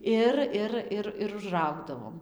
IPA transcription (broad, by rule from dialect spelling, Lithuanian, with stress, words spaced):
ˈɪr ˈɪr ˈɪr ɪr ʊʒˈrɐʊɡdɐʋoːm